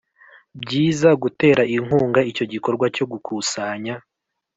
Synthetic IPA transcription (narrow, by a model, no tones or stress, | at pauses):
bɟiːzaɡute̞ːɾaʔiŋ̥uːŋɡaico̞ɟiko̞ɾɡwaco̞ɡukʰusaːɲa